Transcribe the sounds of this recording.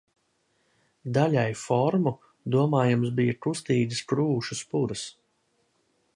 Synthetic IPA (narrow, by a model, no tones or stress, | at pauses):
d̪aʎʲajfɔɾmu | d̪uɔmaːjamsbijɐkust̪iːd̪ɨskɾuːʃuspuɾɨs